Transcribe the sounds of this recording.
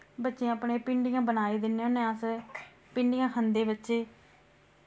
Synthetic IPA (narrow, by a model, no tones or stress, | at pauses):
bətːʃẽəpɳẽːpɪɳɖɪjãːbənaːeːd̪ɪnːẽːʊnẽːəs | pɪɳɖɪjãːkʰənd̪eːbətːʃeː